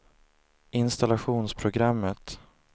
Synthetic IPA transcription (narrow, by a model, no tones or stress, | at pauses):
ʔɪnst̪alaɧuːnspʰɾʊɡɾamːət̪